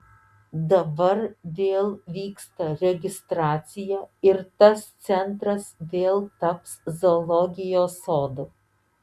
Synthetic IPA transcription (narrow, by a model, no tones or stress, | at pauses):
d̪ɐbɐɾʋʲeːlˠʋʲiːkst̪ɐɾʲɛɡʲɪst̪ɾɑːt̪sʲɪjɛːɪɾt̪ɐst̪sʲɛnt̪ɾɐsʋʲeːlˠt̪ɐpszolˠɔɡʲɪjoːsoːd̪o